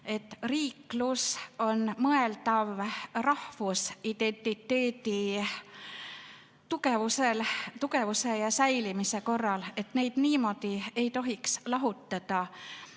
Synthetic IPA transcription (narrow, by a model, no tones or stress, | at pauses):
e̞t̪ːˑriːkluso̞nmɤe̞lt̪ɑvrɑhvusid̪̥e̞nʲt̪ˑit̪ːe̞ːd̪i | t̪uke̞vuselt̪ukevuse̞jɑsæjlimise̞ko̞rːɑle̞t̪ne̞jd̪̥niːmo̞d̪̥ie̞jt̪o̞ɦikslɑɦut̪ˑːɑd̪̥ɑ